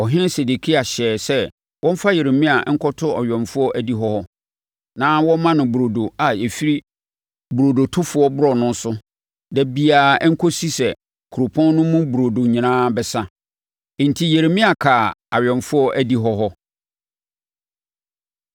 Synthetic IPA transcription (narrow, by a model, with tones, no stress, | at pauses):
ɔ˨ɦɪ̃˦nɪ˦se˨de˨kʰi˦a˨ɕɛː˨sɛ˦ | wɔ̃˦m̩˦fa˦je˨ɾe˨mĩ˦a˨˦ŋ̩˦kʰɔ˦tʰʊ˦a˨ɥᶣɔ̃˨nfʊ˦ɔ˦ʔæ˦di˦ɦɔ˦hɔ˦ | nãː˦wɔ̃˦mã˦nʊ̃˨bu˨ɾo˨do˨a˨e˨fi˦ɾi˦ | bu˨ɾo˨do˨tʰʊ˦fʊ˦ɔ˦bʊ˦ɾɔ˨nʊ̃˦n̩˦sʊ˦ | dɛ˨bi˨aː˨˦ŋ̩˦kʰo˦si˦sɛ˨ | kʰu˨ɾo˨pʰɔ̃˦nː˦ʊ̃˦mũ˦bu˨ɾo˨do˨ɲĩ˨nãː˦bɛ˨sã˦˨ | n̩˨tʰi˦je˨ɾe˨mĩ˦a˨kʰa˨a˨ɥᶣɔ̃˨nfʊ˦ɔ˦ʔæ˨di˦ɦɔ˦ɦɔ˦